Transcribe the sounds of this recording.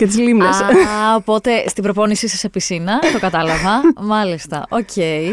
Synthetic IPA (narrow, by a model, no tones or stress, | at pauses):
cet̪̬izlimlesopo̞t̪e̞st̪ibɾo̞po̞nisisɐsepisinɐt̪o̞kɐt̪ɐlɐvɐmɐlist̪ɐ̰ʔo̞cʰe̞ji